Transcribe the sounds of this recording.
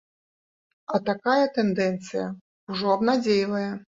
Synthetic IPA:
ɐt̪akajɐt̪ɛnd̪ɛnt̪sɨjɐ̰ | uʐɔɐbnad͡zʲejlˠɐjɛ

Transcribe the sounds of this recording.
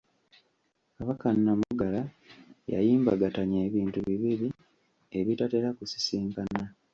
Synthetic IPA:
kaβakanːamuɡala | ja̰jiːmbaɡataɲeːβiːntuβiβiɾi | e̞βitate̞ɾakusi̥siːŋkana

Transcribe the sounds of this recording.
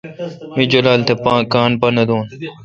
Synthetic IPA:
mid͡ʒolaːlt̪ʰepãːkaːnpɐnɐd̪oːn

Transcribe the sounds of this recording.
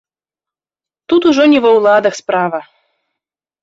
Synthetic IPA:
t̪ut̪uʒonʲivowlˠɑd̪ɤ̆xspɾɑvə

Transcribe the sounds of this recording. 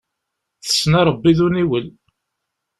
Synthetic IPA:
θə̥sːnɑɾˤəbːiðuniwəl

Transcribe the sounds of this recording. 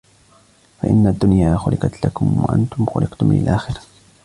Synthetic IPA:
faʔɪnːad̪ːʊnjaːxʊlɪqɑt̪lakʊmwa̰ʔa̰nt̪ʊmxʊlɪqt̪ʊmɪn̰a̰lʔaːxɪɾa

